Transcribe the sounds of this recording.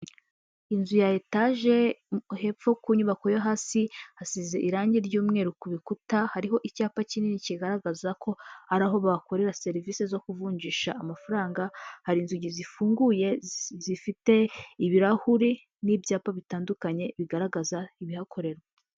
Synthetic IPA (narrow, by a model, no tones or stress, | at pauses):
inzujajetaʒe̞he̞pfo̞kuɲuβako̞joɦasihasize̞ʔiɾaːɲɟiɾɟuːmŋe̞ɾukuβikutahaɾiɦo̞ʔicaːpacininiciɡaɾaɡazakʰo̞haɾaɦo̞βako̞ɾe̞ɾase̞ɾiviːse̞zo̞kuvuːɲɟiʃaːmafaɾaːŋɡahaɾinzuɟizifuːŋɡuje̞zifite̞iβiɾahuɾi | nibjaːpaβitaːndukaɲe̞βiɡaɾaɡazaiβihakʰo̞ɾe̞ɾe